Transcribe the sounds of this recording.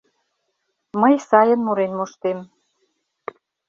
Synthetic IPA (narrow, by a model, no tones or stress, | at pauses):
məjsɑjə̆nmuɾenmoʃt̪em